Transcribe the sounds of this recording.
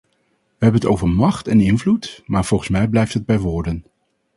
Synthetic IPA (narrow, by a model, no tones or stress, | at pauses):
ʋəɦɛbənətowvəɹmɑχtɛnɪnvlutmaːɹv̥ɔlˠχənsmɛjblɛjftɦəd̚bɛjʋʊːɹdən